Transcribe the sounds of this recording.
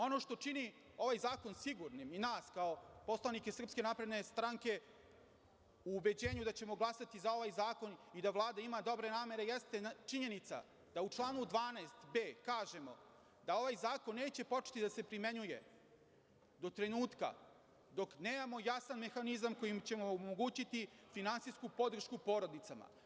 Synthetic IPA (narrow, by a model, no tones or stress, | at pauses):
o̞no̞ʃt̪o̞t͡ʂini | o̞ʋajzaːko̞nsiɡuɾniminaːskao̞po̞slˠanikesr̩pske̞napɾe̞d̪ne̞st̪ɾaŋke̞ | uːbe̞d͡ʑe̞ːɲud̪at͡ɕe̞mo̞ɡlˠasat̪izao̞ʋajzaːko̞nid̪aʋlˠaːd̪aimad̪o̞bɾe̞naːme̞ɾe̞jest̪e̞t͡ʃiɲe̞nit̪sa̰ | d̪aut͡ʂlˠaːnud̪ʋaːnaest̪be̞ːkaːʒe̞mo̞̰ | d̪ao̞ʋajzaːko̞nːe̞ːt͡ɕe̞po̞t͡ʂe̥t̪id̪ase̞pɾime̞ɲuje̞̰ | d̪o̞t̪ɾe̞nuːt̪ka̰ | d̪o̞kne̞ːmamo̞jasanme̞xanizamko̞jimt͡ɕe̞moːmoɡuːt͡ɕit̪ifinant̪sijskupo̞d̪r̩ʃkupo̞ɾo̞d̪it̪sama̰